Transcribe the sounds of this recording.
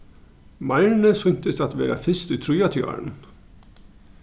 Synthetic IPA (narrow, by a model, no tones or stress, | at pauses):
mɑɪɳəsʏɲt̪əsɑt̪ʋḛːɾɑ̰fɪst̪yːt̪ʰɾʉːɑt̪ʰjɑ̰ɳ